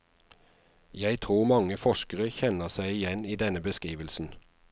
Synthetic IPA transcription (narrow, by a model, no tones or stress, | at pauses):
jæɪt̪ʰʁuːmɑŋəfɔʃkəʁəçɛnəʁsæɪɪjɛniːd̪ɛnəbəskʁiːʋəlsn̩